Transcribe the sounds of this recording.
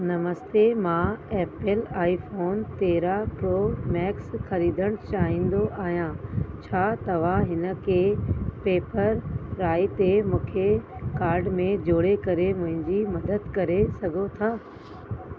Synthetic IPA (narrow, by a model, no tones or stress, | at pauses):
nɐməst̪emãɛːpɪlaːifoːnt̪eːɾapɾoːmɛːksxɐɾiːd̪ʱəɽ̃t͡ɕaːɦĩːn̆d̪oʔaːɦijãt͡ɕʰaːt̪ɐʋ̤ãɦɪnə̆kʰeːpeːpəɾːaːit̪emũːkʰekaːɾɖmẽd͡ʑoːɽekɐɾemʊ̃ɦɪ̃ɲd͡ʑimɐd̪əd̪kɐɾesɐɡʱot̪ʰaː